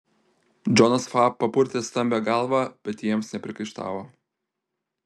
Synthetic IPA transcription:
d͡ʒɔnɐsfɑːpːɐpʊɾʲt̪ʲest̪ɐmʲbʲeːɡɑˑlˠʋɑb̥ʲɛt̪jiɛmsnʲɛpʲɾʲɪkɐɪʃt̪ɑ̰ːʋoː

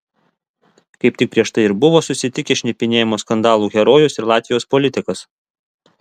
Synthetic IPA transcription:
kɐɪp̚t̪ʲɪk̚pʲɾʲiɛʃt̪ɐɪɪɾbʊʋoːsʊsʲɪt̪ʲɪkʲɛʃʲnʲɪpʲɪnʲeːjɛmoːskɐnd̪ɑːlˠuːɣʲɛɾoːjʊsɪɾlˠɑːt̪ʲʋʲɪjoːspɔlʲɪt̪ʲɪkɐs

